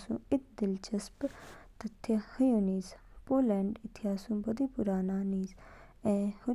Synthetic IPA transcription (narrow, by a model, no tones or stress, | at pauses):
sṵ̃ːɪk̚d̪ɪlt͡ʃəspt̪ət̪ʰːekəjũniːspoːlɛ̃ːɳɖɪt̪ʰɪaːsũːbəd̪iːpʊɾaːnaːniːz | ɛ̃ːhʊ